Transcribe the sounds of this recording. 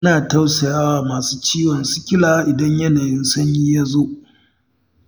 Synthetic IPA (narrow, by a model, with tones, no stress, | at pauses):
ɐ˦naː˨ta˦wsɐ˨jaː˦waː˨maː˨suː˦t͡ʃiː˦wɔ˨nsʊ˦kʲɪ˦laː˨˦ʔɪ˨dɐ˦ɲjɐ˦naː˨jɪ˦nsʊ˦ɲji˦ja˦zo˦ʔ